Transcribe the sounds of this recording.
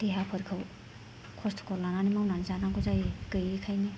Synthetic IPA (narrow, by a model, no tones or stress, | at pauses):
d̥eɦapʰɯɾkʰɯw | kʰɔstʰkʰɔɾlananimawnanzanaŋɡozajɡɯjikʰajni